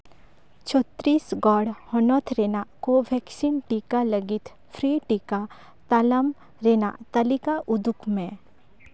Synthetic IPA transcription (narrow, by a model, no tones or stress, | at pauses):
t͡ʃʰɔt̪ɾiːsɡɔːɽhɔnɔt̪ʰɾenakoʋʱɛksinʈikaləɡɪt̪ʰ | pʰɾiːʈika | t̪aləm | ɾeːna̰t̪ɐlikaʔʊd̪ʊkmẽ